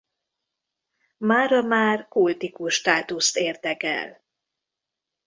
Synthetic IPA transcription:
maːɾɒmaːrkult̪ikuʃːt̪aːt̪ust̪eːrd̪ɛkɛ̰l

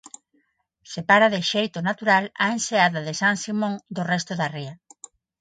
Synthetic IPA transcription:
sepaɾaðɪʃejt̪ʊnat̪uɾalaẽnseaðaðesaŋsimõŋd̪orɛst̪ʊðaria

